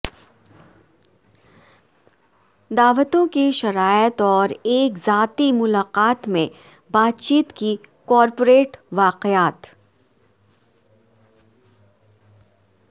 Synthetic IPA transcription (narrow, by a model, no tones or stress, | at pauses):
d̪aːʋət̪õkeʃɐɾaːjət̪ɔːɾeːkzaːt̪imʊlaːqaːt̪mẽ | baːt̪t͡ʃiːt̪ki | kɔːɾpoɾeːʈʋaːqeaːt̪